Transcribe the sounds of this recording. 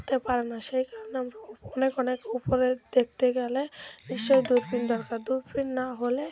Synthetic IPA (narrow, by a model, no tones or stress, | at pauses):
t̪epaɾenaʃejkaɾoneamɾaɔnekɔnekupoɾed̪ek̚t̪eɡɛlebiʃːojd̪uɾpind̪ɔɾkaɾd̪uɾpɾinːaɦole